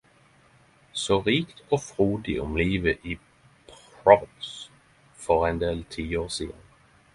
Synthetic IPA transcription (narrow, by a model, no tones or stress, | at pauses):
soːʁiːkt̪ʰoːfʁuːd̪ɪʔʊmliːʋəʔiː | pʰɹɔbs | fɔʁɛnd̪eːlt̪ʰiːoːʁsiːd̪ə̰n